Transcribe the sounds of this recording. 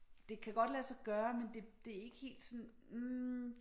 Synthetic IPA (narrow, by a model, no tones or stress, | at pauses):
d̥e̝kʰæɡ̥ɒ̽d̥læsɑ̈ɡ̥ɶːɐmend̥e̝d̥e̝æɐe̝ɡ̥əhe̝̰ːld̥sɔ̽n̩